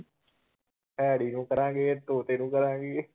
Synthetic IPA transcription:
ɛːɽiːnũːkɐɾãːŋɡeːet̪oːt̪eːnũːkɐɾãːɡe

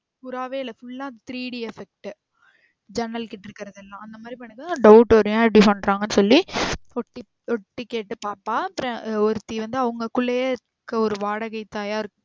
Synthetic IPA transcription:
ʊɾaːʋeːɪlɐfʊɭːãːt̪ɪɾiːɽiɛfɛk̚ʈɯ | d͡ʒɐnɐlkɪʈːɪɾɯkːɪɾɐðɛlːãːɐnd̪ɐmaːd̪ɾipɐɳːɯkːãɖɐʊʈoɾɯjãːɐɽipɐɳɖɾaːŋɡɐnːɯsɔlːiɔʈːi | ɔʈːikeːʈːɯpaːpaːɐpɾɐ̃ɔɾɯt̪ːiʋɐnd̪ɯɐʋɐŋɡɐkʊɭːɐje | kːɐɔɾɯʋaːɽɐɣɐɪt̪ːaːjaːɪɾɯkː

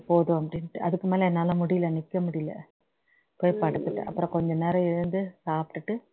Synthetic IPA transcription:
poːðõɐpɐɽɪnʈːɯʔɐðɯkːɯmeːlɐɛnːɐːlãːmʊɽɪjɪlɐnɪkːɐmʊɽɪjɪlɐ̰ | poːjpːɐɽɯt̪ːɯʈːɯ̰ʔɐ̰pːɯɾɔ̃ːkɔɲd͡ʒɐ̃nɛɾɐɪɾɯnd̪ɯsaːpʈːɯʈːɯ

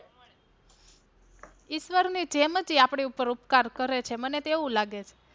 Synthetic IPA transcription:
iʃʋəɾnid͡ʒeməd͡ʒiapɳ̃iupəɾupkaɾkəɾet͡ʃʰemənet̪eʋũlaɡet͡ʃʰe̥

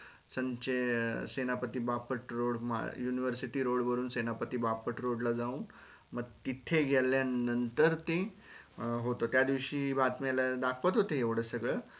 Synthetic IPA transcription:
səɲt͡ɕesenapət̪iːbapəʈɾoɽma̰juniʋəɾsiʈiːɾoɽʋəɾuːnsenapət̪iːbapəʈɾoɽlad͡zauːn | məɡ̚t̪it̪ʰeɡʱeljanːənt̪əɾt̪e | ɦot̪ot̪jad̪iʋɕiːbat̪malad̪akʰʋət̪ɦot̪eɦeʋɽəsəɡɭə

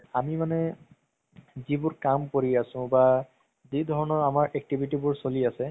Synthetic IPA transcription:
amimanɛ | zibʊɹkamkoɹiasʊ̃ba | zidʱɔɹɔnɔɹamaɹʔɛk̚tibʱitibʊɹsoliasɛ

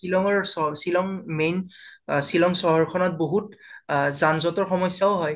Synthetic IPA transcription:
kilɔŋɔɹɔsilɔŋmensilɔŋsɔɦɔɹkʰɔnɔt̚boɦutzanzɔtɔɹxɔmɔjsjaʊɦɔj

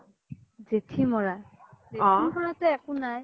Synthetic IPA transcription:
zetʰimɔɹa | zeɔtibɔɹatɛɛkʊnaj

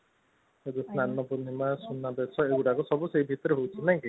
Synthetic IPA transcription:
ɔd̪esnanɔpɔnimasunabesɔewʈakusɔbuseibʱit̪ɔɾeɦowt͡ʃʰinaĩki

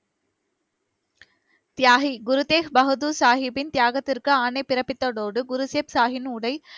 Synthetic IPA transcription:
t̪ɪjaːɦiɡʊɾɯt̪eːɦbɐɦɯd̪usaːɦɪbɪnt̪ɪjaːɣɐt̪ːɪrkɯaːnɐɪpːɪɾɐpːɪt̪ːɐɽoːɽɯɡʊɾuseːpsaːɦɪnuːɽɐɪ

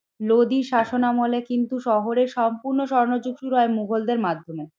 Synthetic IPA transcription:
lod̪iʃaʃonamolekint̪uʃɔɦoɾeɾʃɔmpuɾnoʃɔɾnod͡ʑuɡʃuɾuɦɔemuɡʱold̪eɾmad̪ʱːome

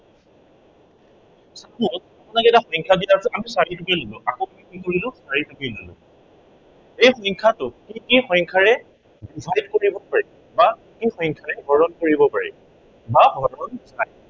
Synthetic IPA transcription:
sakʊtapʊnakɛtaxɔjŋkʰadiasɛamisaɹitukɛlolʊ̃ʔakɔkːikikoɹilʊ̃saɹitukilolʊ̰̃ | ejxɔjŋkʰatʊkikixɔjŋkʰaɹɛ | divʱajdkoɹibɔpaɹɛ | bakikixɔjŋkʰaɹɛbʱɔɹɔnkoɹibɔpaɹɛ̰ | babʱɔɹɔnzaj

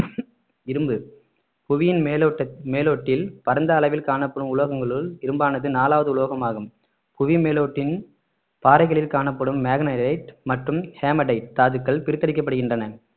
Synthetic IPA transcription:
ɪɾɯmbɯ | pʊʋɪjɪnmeːloːʈːɪlpɐɾɐnd̪ɐːlɐʋɪlkaːɳɐpːɐɽɯmʊlɐɣɐŋɡɐɭɯlɪɾɯmbaːnɐðɯnaːlaːʋɐðɯʊɭoːɣɐmaːɣɯm | pʊʋimeːloːʈːɪn | paːɾɐɪɣɐɭɪlkaːnɐpːɐɽɯmːeːɣɐnɐɖɐɪʈmɐʈrɯmheːmɐɖɐɪʈ̚t̪aːðɯkːɐɭpɪɾɯt̪ːɐɽɪkːɐpːɐɽɯɣɪndrɐnɐ

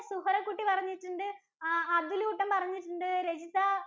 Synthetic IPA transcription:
suɦɐɾɐkːuʈːipɐrɐɲːiʈːuɳɖɨ | ɐd̪uluuʈːɐmpɐrɐɲːiʈːuɳɖɨɾed͡ʑit̪ːa

